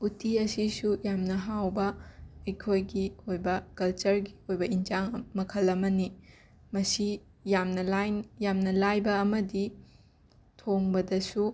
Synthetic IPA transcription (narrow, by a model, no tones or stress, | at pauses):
utʰiɐsisujamnɐɦawbɐɐjkʰojɡiojbɐkɐlt͡ʃɐɾɡi̥ojbɐind͡ʒaŋmɐkʰɐlːɐmɐni | mɐsi | jamnɐlajjamnɐlajbɐːmɐdi | tʰoŋbɐdɐsu